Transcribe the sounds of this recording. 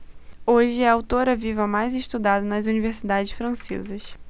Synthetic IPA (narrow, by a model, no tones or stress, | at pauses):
oʒɪɛawt̪oɾɐvivɐmajzɪʃt̪ud̪ad̪ɐnɐzuniveɾsid̪ad͡ʒɪʃfɾɐ̃sḛzɐʃ